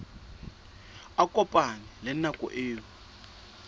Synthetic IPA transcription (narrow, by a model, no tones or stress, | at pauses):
akʼɔpʼanɛlɛnakʼɔ̰ʔeːwɔ